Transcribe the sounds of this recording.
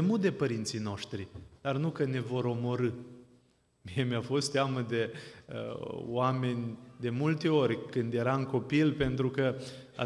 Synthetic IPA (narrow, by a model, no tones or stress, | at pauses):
emud̪e̞pəɾint̪sijno̞ʃt̪ɾid̪̥arnukəne̞vo̞ɾo̞mo̞ɾɨ | mie̞mjafo̞st̪eaməd̪e̞ə̰oame̞nʲd̪e̞mult̪e̞o̞rʲkɨnd̪je̞ɾaɨŋko̞pilpe̞nt̪ɾukə | a̰